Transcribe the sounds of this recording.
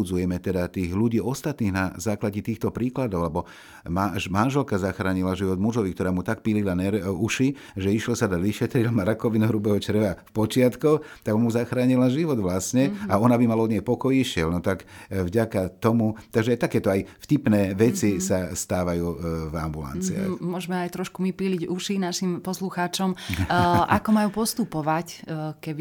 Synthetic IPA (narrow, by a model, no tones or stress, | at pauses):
ud͡zujɛmɛt̪ɛd̪at̪iːɣluɟiːɔst̪at̪niːɣnazaːklaɟɛt̪iːxt̪ɔpɾiːklad̪ɔʊlɛbɔ | mamanʒɛlkazaxɾaːɲilaʒiʋɔd̪muʒɔʋikt̪ɔɾaːmut̪ak̚pililanɛɾuʃi | ʒɛiʃlɔsad̪aʋiʃɛt̪ɾilmaɾakɔʋinuɦɾubɛːɦɔt͡ʃɾʋafpɔt͡ʃɪat̪kɔxt̪aɡmuzaxɾaːɲilaʒiʋɔd̪ʋlasɲɛaɔnabimalaɔd̪ɲɛjpɔkɔjiʃɪɛlnɔt̪akvɟakat̪ɔmut̪aɡʒɛajt̪akɛːt̪ɔajfcipnɛːʋɛt͡sisast̪aːʋajuːvambula̰nt͡sia̰xmʊɔʒmɛajt̪ɾɔʃkumipiːliɟuʃinaʃimpɔsluxaːt͡ʃɔm | ʔakɔmajuːpɔst̪upɔʋackɛbi